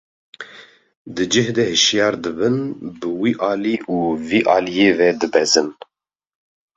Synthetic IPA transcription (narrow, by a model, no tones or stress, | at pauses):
d̪ɨd͡ʒɨhd̪ɛhɨʃjɑːɾd̪ɨbɨnbɨwiːʔɑːliːʔuːviːʔɑːlijeːvɛd̪ɨbɛzɨn